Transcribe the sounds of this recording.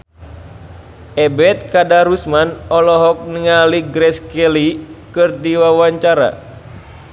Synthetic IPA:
ɛbɛt̪̚kadaɾusmanɔlɔɦɔk̚niŋaliɡɾɛskɛlikɨrdiwawaɲt͡ʃaɾa̰

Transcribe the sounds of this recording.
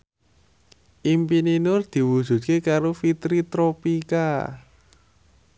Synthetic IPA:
ʔimpininʊrd̪̥i̤wud̥ʒ̥ṳt̪̚kekaɾofit̪ɾit̪ɾopika

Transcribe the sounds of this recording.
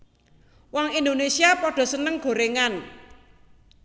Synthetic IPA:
wɔŋind̪onesiapɔɖ̥ɔ̤sənəŋɡ̥o̤ɾeŋan

